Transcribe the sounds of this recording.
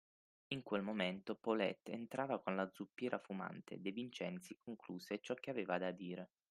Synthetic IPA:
iŋkwelmoment̪opolɛ̰t̪ːent̪ɾʔaːvakonlad̪zupːjɛːɾʔafuma̰nt̪ʰḛd̪evint͡ʃɛnt̪sikoŋkluːset͡ʃɔk̟ːeaveːvad̪ad̪iːɾe

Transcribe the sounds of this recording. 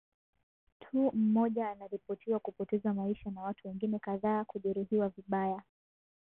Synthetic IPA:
tʰuːm̩mɔʄaːnaɾipɔtʰiwakupɔtɛzamaiʃanawatuwɛŋɡinɛkaðaːkuʄɛɾuɦiwaviɓaja

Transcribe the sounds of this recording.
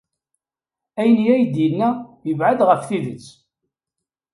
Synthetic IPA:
æjənjæjd̪jənːæjəvʕad̪ʁəfθiðət͡sː

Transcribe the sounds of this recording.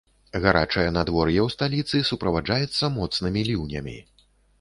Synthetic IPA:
ɣaɾat͡ʂɐjɐnad̪vɔrjɛwst̪alʲit̪sɨsupɾɐvad͡ʐajɛt̪sːɐmɔt̪snɨmʲilʲiwnʲɐmʲḭ

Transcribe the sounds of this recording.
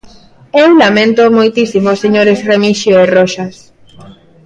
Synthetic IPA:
ewlamẽnt̪omojt̪isimoseɲoɾesremiʃjoeroʃas

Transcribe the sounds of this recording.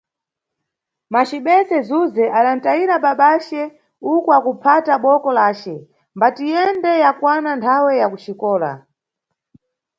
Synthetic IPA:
mat͡ʃiɓɛsɛzuzɛʔaɗan̩tajiɾaɓaɓat͡ʃɛ | ukɔakupʰataɓɔkɔlaːt͡ʃɛ | mbatijɛndɛjakwanantʰawɛjakut͡ʃikɔːla̰

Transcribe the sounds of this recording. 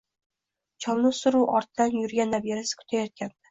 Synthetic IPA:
t͡ʃʰɒlnʊsʊɾuwʔɒɾt̪d̪anjʊɾɡʲanːabjeɾasɪ̥kʰʊ̥t̪ʰajɒt̪̚kʲand̪ɪ

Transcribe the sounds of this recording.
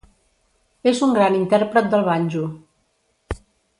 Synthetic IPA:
ezuŋɡɾanint̪ɛɾpɾət̪̚d̪əlˠβanʲd͡ʒu

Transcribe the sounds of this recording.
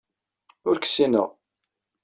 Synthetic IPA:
ʊɾkə̥sːinə̰ʁ

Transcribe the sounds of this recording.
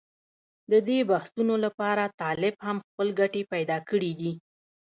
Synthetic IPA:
d̪əd̪ebahsunolapɑɾat̪ɑlɪbhamxpəlɡaʈepajd̪ɑkəɽid̪i

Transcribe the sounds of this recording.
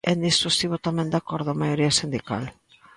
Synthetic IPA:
end̪ist̪usiβot̪amend̪akoɾðomajoɾiasind̪ika̰l

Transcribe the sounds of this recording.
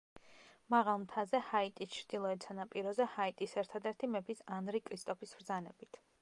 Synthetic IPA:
maʁalˠmt̪ʰazɛhait̪ʼist͡ʃʰɾd̪̥ilˠɔɛt̪sʰanapʼiɾɔzɛhait̪ʼisɛɾt̪ʰad̪ɛɾt̪ʰimɛpʰisanɾikʼɾist̪ʼɔpʰisbɾd̪zanɛbit̪ʰ

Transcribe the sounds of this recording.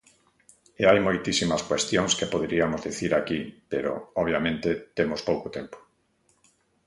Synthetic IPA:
eajmojt̪isimaskwest̪joŋskepoðeɾiamozðiθiɾakipeɾo̰ɔβ̞jamẽnt̪et̪emospowkʊt̪empo̥

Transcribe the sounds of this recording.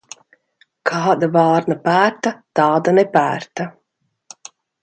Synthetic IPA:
kʰɑːd̪avɑːɾnapæːɾt̪at̪ɑːd̪anɛpæːɾt̪a

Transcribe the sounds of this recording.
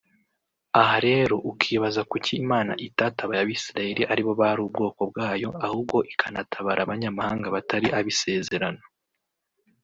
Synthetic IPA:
ahaɾe̞ːɾo̞ʔukʰiːβazakuciːmaːna̰ʔitataβajaβisiɾaje̞ɾiʔaɾiβo̞βahaɾuːb̚ɡo̞ːko̞bɡaːjo̞ahub̚ɡo̞ʔikʰanatʰaβaɾʔaβaɲamahaːŋɡaβataɾiʔaβise̞ːze̞ɾano

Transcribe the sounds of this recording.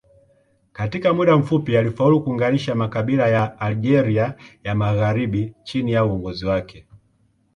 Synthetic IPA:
katikamuɗam̩fupialifaulukuːŋɡaniʃamakaɓilajaːlid͡ʒɛɾiajamaɣaɾiɓit͡ʃinijauɔŋɡɔziwakɛ

